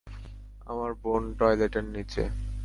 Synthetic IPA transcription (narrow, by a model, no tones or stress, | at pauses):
a̰maɾbonʈɔjleʈeɾnit͡ɕʰḛ